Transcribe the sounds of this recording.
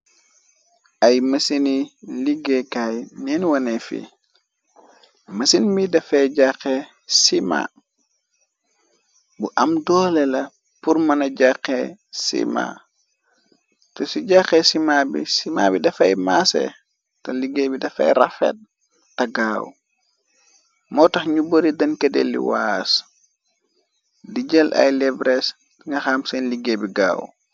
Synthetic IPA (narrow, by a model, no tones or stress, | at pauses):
ʔajmasiniliɡɛkajnɛnwɔnɛfḭ | mɐsinmbidɐfɛɟaxɛ | sima̰ | buʔamdɔlɛlɐ | puɾmanaɟakːɛsḭma̰ | tɔsiɟaxɛsimabḭsimabidafajmasɛ̰ | tɔliɡebidafa̰jɾafɛ̰t̚ | taɡawṵ | mɔtaxɲuboɾidankɛdɛlːḭwas | did͡ʒɛlʔa̰jlɛbɾɛs | ŋɡaxamsɛnliɡebiɡa̰ːwṵ